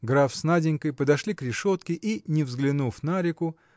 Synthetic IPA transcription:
ɡɾafsnadʲɪnʲkəjpəd̪ɐʂlʲikɾʲɪʂo̞t̪kʲɪʔinʲɪvzɡlʲɪnufnaɾʲɪkʊ

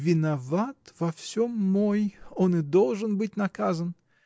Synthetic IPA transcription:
vʲɪnɐvat̪vɐfsʲomːojonɨd̪olˠʐənbɨt̚ʲnɐkazən

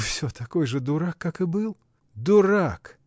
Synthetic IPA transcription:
fsʲot̪ɐkojʐɨd̪ʊɾakːakɨbɨlˠ | d̪ʊrak

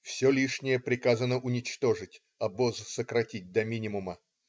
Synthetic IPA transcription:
fsʲolʲiʂnʲɪjəpɾʲɪkazənəʔʊnʲɪt͡ɕt̪o̞ʐɨtʲ | ɐbozsəkɾɐtʲit̚ʲd̪ɐmʲinʲɪmʊmə

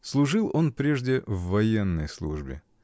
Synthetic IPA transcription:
slˠʊʐɨlˠʔo̞npɾʲeʐdʲɪvːɐjenːəjslˠṵʐbʲɪ̰

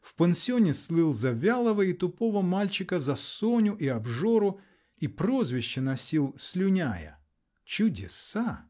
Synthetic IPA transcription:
fpənsʲɪonʲɪslˠɨlˠzɐvʲalˠəvəit̪ʊpovəmalʲt͡ɕɪkəzɐsonʲʊʔiɐbʐo̞ɾʊ | ipɾo̞zvʲɪɕːənɐsʲilˠsʲlʲʊnʲajə̰ | t͡ɕʊdʲɪsa

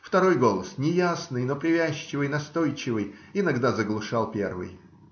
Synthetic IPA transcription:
ft̪ɐɾo̞jɡo̞lˠəsnʲɪjasnɨjno̞pɾʲɪvʲæɕːɪvɨjnɐst̪o̞jt͡ɕɪvɨjɪnɐɡd̪azəɡlˠʊʂɑlˠpʲe̞̰rvɨ̰j

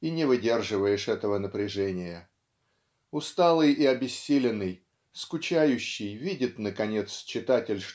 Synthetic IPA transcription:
inʲɪvɨdʲe̞rʐɨvəjɪʂɛt̪əvənəpɾʲɪʐɛnʲɪjə | ʊst̪alˠɨjiɐbʲɪsʲːilʲɪnːɨj | skʊt͡ɕæjʉɕːɪjvʲidʲɪt̪nəkɐnʲe̞t̪st͡ɕːɪt̪atʲɪlʲʂ

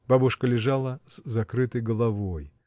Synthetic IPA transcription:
b̥abʊʂkəlʲɪʐalˠəszɐkɾɨt̪əjɡəlˠɐvoj

